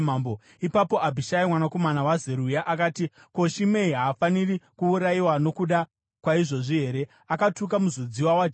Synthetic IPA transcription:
mambo | ipapo̞ʔabʱiʃaimwanako̞manawazeɾujaʔakaːti | ko̞ʃime̞iɦaːfanirikuːɾaiwano̞kuɗa | kwaiʐo̞ʐiɦe̞ːɾe̞ | akatuk̬amuzud͡ziwawad͡ʒ

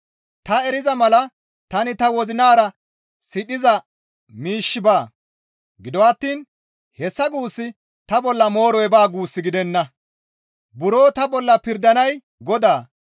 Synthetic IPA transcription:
t̪ɐɛɾɪzɐmɐlɐ | t̪ɐnɪt̪ɐwɔzɪnaːɾɐ | sɪɗɪzɐ | miːʃːɪbaː | ɡɪd̪ɔwɐt̪ːiːn | hɛsːɐɡuːsːɪ | t̪ɐbɔlːɐmo̞ːɾɔjɛbaːɡuːsːɪɡɪd̪ɛnːɐ | bʊɾo̞ːt̪ɐbɔlːɐpɪɾd̪ɐnɐj | ɡɔd̪aː

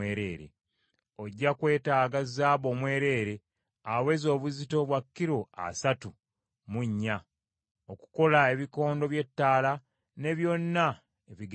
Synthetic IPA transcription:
eːɾeːɾḛ | oɟːakwe̞ːtaːɡazaːβo̞ːmwe̞ːɾe̞ːɾe̞ | awe̞zo̞ːβuzito̞βwakːiɾo̞a̰satu | muɲːa | oku̥ko̞lae̞βiko̞ːndo̞βje̞tːaːla | ne̞βjo̞nːa | eβiɡ

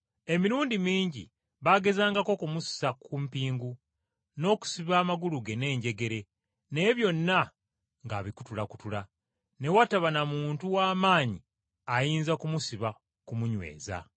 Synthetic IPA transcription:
e̞miɾuːndimiːɲɟḭ | βaɡe̞zaːŋɡako̞kumussakumpiːŋɡu | no̞ːku̥siβaːmaɡuluɡe̞ne̞ːɲɟe̞ɡe̞ɾe̞ | nejβjo̞nːa | ŋɡaβiku̥tulaku̥tula | ne̞wataβanamuːntuwaːmaːɲi | ajiːnzakumusiβa | kumuɲwe̞̰ːza̰

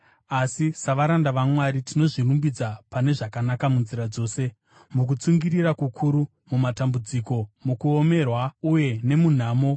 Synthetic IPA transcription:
asisaʋaɾandaʋamwaɾitino̞ʐirumbid͡zapane̞ʐakanakamunziɾad͡zo̞ːse̞ | muk̬ut͡suŋɡirirakukʰuɾu | mumatambud͡ziko̞mukuo̞me̞rwauje̞ne̞mun̤aːmo̞

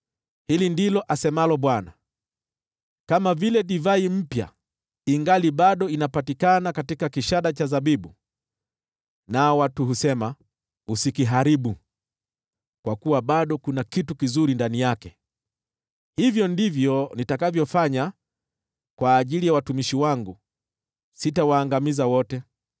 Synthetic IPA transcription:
hilindilɔʔasɛmalɔɓwana̰ | kamavilɛɗivaim̩pja̰ | iŋɡaliɓaɗɔinapatikanakatikakiʃaɗat͡ʃazaɓiɓu | nawatuɦusɛma | usikiɦaɾiɓu | kwakuwaɓaɗɔkunakitukizuɾindanijakɛ | hivjɔndivjɔnitakavjɔfaɲa | kwaːʄilijawatumiʃiwaŋɡu | sitawaːŋɡamizawɔtɛ

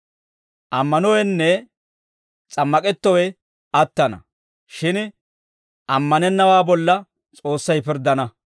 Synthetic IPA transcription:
ʔɐmːɐnɔwɛnːɛ | t͡sʼɐmːɐkʼɛt̪ːɔwɛ | ɐt̪ːɐnɐ̰ | ʃɪn | ʔɐmːɐnɛnːɐwaːbɔlːɐ | t͡sʼo̞ːsːɐjpɪɾd̪ːɐnɐ

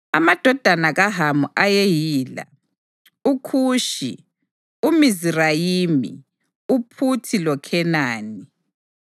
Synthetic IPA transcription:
a̰mad̥ʱɔd̥ʱanaɣaɦamuʔajejiːla̰ | ukʰuːʃḭ | umizirajimḭ | upʰutʰilɔkʰɛnaːni

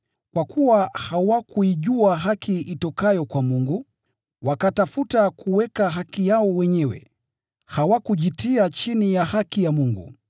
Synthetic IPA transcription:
kwakʰuwahawakuiʄuaɦakʰiʔitɔkajɔkwamuŋɡu | wakatafutakʰuwɛkaɦakijaɔwɛɲɛwɛ̰ | hawakuʄitiat͡ʃinijahakijamuŋɡṵ

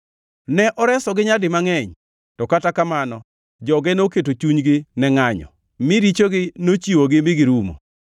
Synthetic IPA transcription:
nɛʔɔɾɛsɔɡɪɲadɪmaŋɛɲ | tɔkatakamanɔ | d͡ʒɔɡɛnoketot͡ʃuɲɡɪnɛŋaɲɔ̰ | mɪɾit͡ʃoɡɪnot͡ʃiwoɡɪmɪɡɪɾumo̰

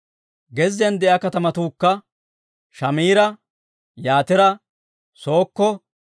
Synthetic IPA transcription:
ɡɛzɪjɐnd̪ɛʔɐkɐt̪ɐmɐt̪uːkːɐ | ʃɐmiːɾɐ | jaːt̪ɪɾɐ | so̞ːkːɔ

